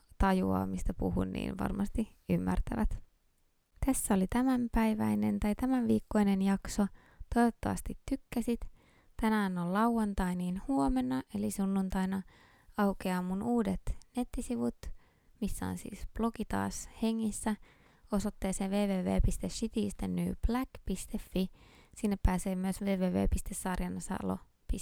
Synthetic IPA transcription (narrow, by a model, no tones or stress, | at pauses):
t̪ɑjuɑ̰ːmist̪æpṵhṵnːḭːnʋɑ̰rmɑst̪iymːæ̰rt̪æʋæt̪ | t̪æsːæo̞lit̪æmæmpæjʋæ̰jne̞̰nt̪ɑjt̪æmæʋʋiːkːo̞jne̞njɑkso̞ | t̪o̞jʋot̪ːɑ̰ʋɑ̰st̪it̪ːykːæsit̪ | t̪ænæːnollɑwwɑnt̪ɑjniːnhuo̞me̞nːɑʔe̞lisunːunt̪ɑjnɑ | ɑwkeɑmunʔuːdet̪net̪ːisiʋut̪ | misːæ̰o̰nsḭːsb̥lo̞kit̪ɑ̰ːshe̞ŋːisːæ | o̞sot̪ːeːseːʋeːʋeːʋḛːpist̪esʃit̪iːst̪enːy̰ːb̥lækpist̪efːisinːepːæːseːmyøsʋeːʋeːʋḛːpist̪esːɑrjɑnɑsɑ̰lo̰ | pi